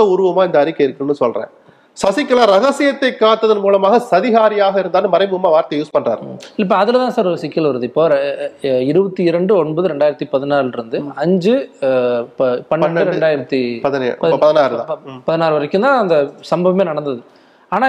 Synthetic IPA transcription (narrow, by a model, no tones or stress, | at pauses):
ɐʊɾɯʋɐmaːɪnd̪ɐɐɾɯkːɐɪɾɯkːɯnːɯsɔlrḛ̃ː | sɐsɪkːɐlaːɾɐɣɐsɪjɐt̪ːɐɪkːaːt̪ːɐðɯnmuːlɐmaːɣɐsɐðɪɣaːɾɪjaːɣɐɪɾɯnd̪aːnːɯmɐɾɐɪmɯɐmaːʋaːɾt̪ɐjuːspɐɳra̰ːɾɪlɐɪpːoɐðɪlt̪ãːsaːɾɾɐsɪkːɐlʋɐɾɐðɯɪpːoːɾ | ɪɾɯbɐt̪ːiɪɾɐɳɖɯɔɳbɐðɯɾɛɳɖaːɪɾɐt̪ːipɐðɪnaːɾɪɾɯnd̪ɯɐɲd͡ʒɯ | pːpɐnːɐɯɾɛɳɖaːjɪɾɐt̪ːipɐðɐ̰pɐɐðɪnaːɾɯðã̰ɐpɐðɪnaːɾɯʋɐɾɐkːɯnd̪ãːɐnd̪ɐsɐmbɐʋɐmeːnɐɽɐnd̪ɐðɯ | aːnaː